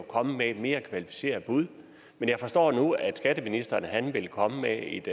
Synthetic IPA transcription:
okʰɒ̽məmeed̥me̝ːɐkʰʋælifi̥se̝̰ːɐð̩ˠb̥uð̞ˠ | menjɑ̈ɪfɒ̽sd̥ɒ̰ːnuæ̥sɡ̥æɾ̥əminisd̥ɐːnəhænʋe̝lkʰɒ̽məmeed̥

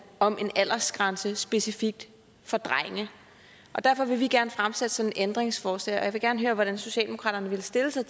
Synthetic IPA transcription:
ɒ̽mʔe̝næl̰ɐsɡ̥ʁɑ̈nsəsb̥e̝sifiɡ̥̚d̥ | fɒ̽d̥ʁaŋə | ʔɒ̽d̥æɐfɒ̽ʋe̝lʋiɡ̥æɐnəfʁamsed̥ə̥sɒ̽nʔend̥ʁeŋsfɒːslɛ̰ːɒjäʋe̝ɡ̥æɐnəɦøːɐʋɒɾ̥ænso̝ɕɛ̰ːld̥emo̝kʰʁɑ̰̈ːd̥ɐnəʋe̝lsd̥e̝ləsɑ̈ɪt͡sʰ

